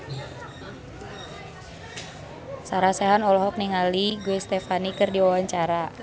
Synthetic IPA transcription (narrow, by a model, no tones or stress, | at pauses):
saɾasɛɦanɔlɔɦɔk̚niŋaliɡuɛst̪ɛfanikɨrdiwawaɲt͡ʃaɾa